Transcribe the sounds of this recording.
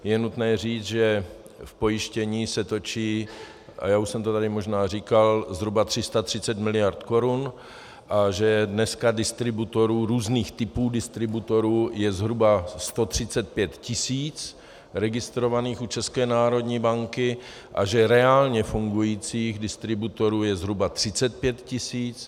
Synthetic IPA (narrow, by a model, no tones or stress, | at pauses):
jɛnut̪nɛːriːt͡sʒɛ | fpo̞jɪʃcɛɲiːsɛt̪o̞t͡ʃiː | ʔa̰jaːuʃsɛmt̪ot̪adɪmoʒnaːr̝ikalzɦɾubat̪r̥ɪst̪at̪r̝̥ɪt͡sɛt̪mɪlɪjaɾt̪ko̞ɾun | ʔaʒɛdnɛskadɪst̪ɾɪbut̪o̞ɾuːɾuːzniːxt̪ɪpuːdɪst̪ɾɪbut̪o̞ɾuːjɛzɦɾubast̪o̞t̪r̝̥ɪt͡sɛt̪̚pjɛt̪cɪsiːt͡s | ɾɛɡɪst̪ɾo̞vaniːxut͡ʃɛskɛːnaːɾo̞d̪ɲiːbaŋkɪ | ʔa̰ʒɛɾɛaːlɲɛfuŋɡujiːt͡siːɣdɪst̪ɾɪbut̪o̞ɾuːjɛzɦɾubat̪r̝̥ɪt͡sɛt̪̚pjɛt̪cɪsiːt͡s